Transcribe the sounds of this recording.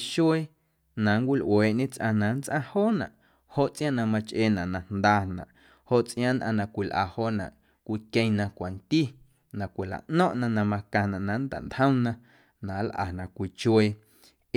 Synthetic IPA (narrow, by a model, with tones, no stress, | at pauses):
ʃe˦ | nã˨ŋkʷi˦lʔweː˨ʔɲẽ˦t͡sʔã̰˧nã˨˦nt͡sʔã˧hoː˦nã̰˨ʔ | ho˦ʔt͡sʔj̃ã˦˨nã˧mã˧t͡ʃʔeː˧˨nã˨ʔnã˨nd̪aː˧nã̰˨ʔ | ho˧˨ʔt͡sʔj̃ãː˦nd̪ʔã̰˧˨nã˨kʷi˨lʔa̰˨hoː˦nã̰˨ʔ | kʷi˧kẽ˧ŋnã˧kʷa˨nt̪i˦˨ | nã˨kʷi˨la̰˨ʔnɔ̃˦ʔnã˧nã˧mã˧kã˧˨nã˨ʔnã˨˦nd̪a̰˨nt̪hə̃˦w̃nã˧ | nã˨˦lʔa̰ː˨nã˨kʷi˧t͡ʃwe˧˨